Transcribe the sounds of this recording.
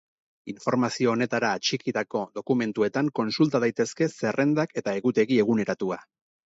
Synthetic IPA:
iɱfo̞ɾmasio̞ːne̞t̪aɾaːt͡ʃikiðako̞ðo̞kume̞nt̪ue̞t̪aŋko̞nsult̪að̞ajt̪e̞ske̞se̞rʔe̞nd̪ake̞t̪ae̞ɣut̪e̞ɣie̞ɣ̞une̞ɾat̪ua

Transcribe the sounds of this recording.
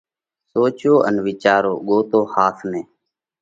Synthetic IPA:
soːt͡ʃoːʔə̰nʋɪt͡ʃaːɾoːɠoːt̪oːhaːt̪ʰnẽː

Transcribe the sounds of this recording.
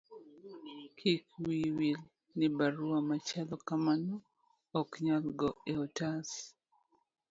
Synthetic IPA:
kʰikwiwil | nɪbaɾuamat͡ʃalɔkamanɔ | ɔkɲalɡɔeɔtas

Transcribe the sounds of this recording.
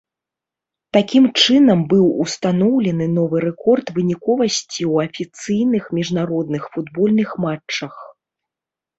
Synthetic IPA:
t̪akʲimt͡ʂɨnɐmbɨwṵst̪anɔwlʲɛnɨnɔvɨɾɛkɔrt̪vɨnʲikɔvɐsʲt͡sʲiwɐfʲit̪sɨjnɨxmʲiʐnaɾɔd̪nɨxfud̪bɔlʲnɨxmat͡ʂt͡ʂːɐx

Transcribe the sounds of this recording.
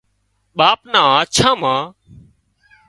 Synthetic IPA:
ɓaːpnãːaːt͡ʃʰãːmãː

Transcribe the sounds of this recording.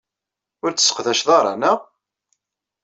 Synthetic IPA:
ʊɾt͡sːəsə̥qðæʃðˤɑɾˤɑ̰næʁ

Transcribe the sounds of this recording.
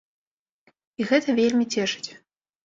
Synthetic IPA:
iɣɛt̪ɐvʲelʲmʲit͡sʲɛʂɨ̥t͡sʲ

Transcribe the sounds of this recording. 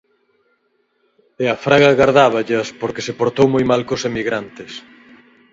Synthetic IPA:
eɐfɾaɣɐɣaɾðaβɐʎɐspoɾkesepoɾt̪owmojmalkosemiɣɾant̪ɪs

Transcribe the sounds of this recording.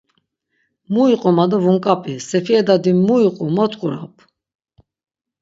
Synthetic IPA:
muiqʼumad̪ɔvuŋkʼapʼisɛpiɛd̪ad̪imuiqʼumɔt̪ʼkʼuɾapʰ

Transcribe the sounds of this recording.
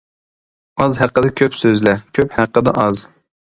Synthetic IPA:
ɑzɦæqːəd̪ɛkʲʰøpsøzlɛkʲʰøphæqːəd̪ɛʔɑz

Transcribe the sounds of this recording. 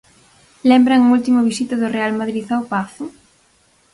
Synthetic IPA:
lɛmbɾaŋult̪imʊβisit̪ɐðʊrealmaðɾiθawpaθ

